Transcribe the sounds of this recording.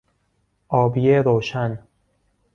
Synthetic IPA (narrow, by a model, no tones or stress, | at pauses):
ʔɒːbieɾoːʃæn